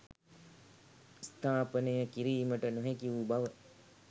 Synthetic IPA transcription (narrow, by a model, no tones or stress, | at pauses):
st̪ʰaːpənəjəkiɾiːməʈənoɦekiʋubaʋə